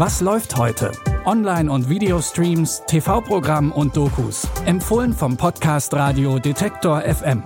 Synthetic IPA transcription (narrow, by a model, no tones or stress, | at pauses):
vaslɔʏfthɔʏtʰə̰ʔɔnlaɪnʊntv̥iːdeostʁ̥iːmstʰefaʊpʁ̥oɡʁamʊnt̚d̥oːkʰṵːsʔɛmfoːlənfɔmpʰɔtkʰaːstʁaːdiodetʰɛktʰoːɐʔɛfʔɛm